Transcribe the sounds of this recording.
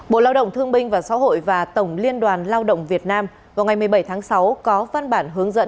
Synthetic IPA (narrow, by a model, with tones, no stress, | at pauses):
ɓo̰˧˨laː˧wɗə̰˧˨wŋ͡mt̪ʰɨ˧əŋɓï˧ŋ̟vaː˨˩sa̰ː˧˥ɦo̰˧˨jvaː˨˩t̪ə˧˩wŋ͡mli˧ənɗwaː˨˩nlaː˧wɗə̰˧˨wŋ͡mvi˨˩ət̚naː˧m | vaː˨˩wŋa˨˩jmɨ˨˩əjɓə˧˩jt̪ʰaː˨˦ŋsa˨˦wkɔ˨˦va˧nɓaː˧˩nɦɨ˨˦əŋzə̰˧˥n